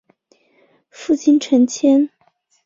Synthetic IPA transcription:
fu˥˩t͡ɕʰi˥nʈ͡ʂʰə˧˥nt͡ɕʰjɛ˥n

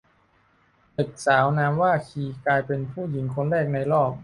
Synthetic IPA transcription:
p̪ɯ˨˩k̪̚saː˩˦wnaː˦˥mwaː˥˩kʰiː˧klaː˧jpe˧npʰuː˥˩ji˩˦ŋkʰo˧nɾɛː˥˩k̚na˧jɾɔː˥˩p̚

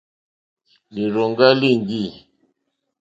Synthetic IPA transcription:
li˨ɾo˨ŋɡa˦li˦˨ŋɡi˦˨

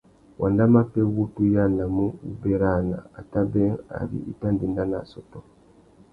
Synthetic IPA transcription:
wʔa˨nda˦ma˦pɛ˦wu˦tu˦ja˦na˨mu˦u˦bɛ˦ɾa˦˨na̰˨a˨ta˦bɛ˦a̰˨ɾḭ˦ʔi˦ta˦n˨di˨nda˦na˨sɔ˨tɔ˨˦

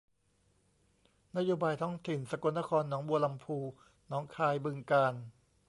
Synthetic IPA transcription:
na˥joː˧baː˧jt̪ʰɔː˦˥ŋt̪ʰi˨˩nsa˧ku˧˩nːa˦˥kʰɔː˧nːɔː˩˦ŋbu˧ɐla˧mpʰuː˧ | nɔː˩˦ŋkʰaː˧jbɯ˧ŋkaː˧n

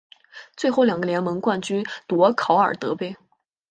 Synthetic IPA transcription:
t͡swe˥˧ɪxo˥˩ʊljɑ˨˩ŋɡə˧ljɛ˧˥nmə˧˥ŋkwa˥˩nt͡ɕy˥nt̪wɔ˧˥kʰɑ˧˥ʊə˞˨˩t̪ɤ˧˥pe˥˩ɪ

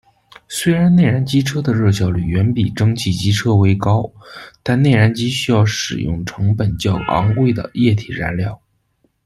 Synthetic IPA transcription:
swe˥ɪɻa˧˥nne˥˩ɪɻa˧˥nt͡ɕi˥ʈ͡ʂʰɤ˥d̪ə˨ɻɤ˥˩ɕ̬jɑ˥˩ʊly˨˩ɥɛ˧˥npi˨˩ʈ͡ʂɤ˥ŋt͡ɕʰi˥˩t͡ɕi˥ʈ͡ʂʰɤ˥we˥ɪkɑ˥ʊt̪a˥˧nne˥˩ɪɻa˧˥nt͡ɕi˥ɕy˥jɑ˥˩ʊʂɻ̩˨˩jʊ̰˥˩ŋʈ͡ʂʰɤ˧˥ŋpə˨˩nt͡ɕjɑ˥˩ʊʔɑ̰˧˥ŋwe˥˩ɪd̪ə̰˩jɛ˥˩t̪ʰi˨˩ɻa̰˧˥nljɑ˥˩ʊ

